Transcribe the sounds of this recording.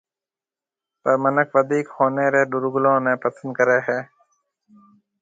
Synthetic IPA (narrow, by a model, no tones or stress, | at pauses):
pəɾmənəkʋəd̪iːkhoːneːɾeːɖʊɾɡʊlõːnẽːpəsə̃nd̪̚kəɾeːɦɛː